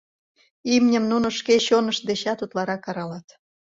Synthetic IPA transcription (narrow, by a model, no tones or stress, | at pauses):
imnʲə̆mnunoʃkeɕonəʃ̚d̪eɕɑt̪ut̪lɑɾɑkːɑɾɑlɑt̪